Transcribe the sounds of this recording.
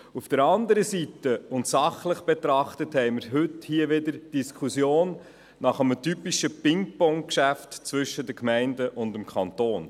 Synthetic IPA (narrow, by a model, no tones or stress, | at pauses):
ufd̥əɾɑndəɾəsitəʊntsɑχləχb̥etɾɑχtəthɛɪməɾɦɵthiəʋɪdəɾd̥iskʰusjoːn | nɑχəmətypiʃəpɪŋ̚pɔŋkʃæftt͡svʏʃədəkmɛɪndəʔʊndəmkʰɑnt̪oːn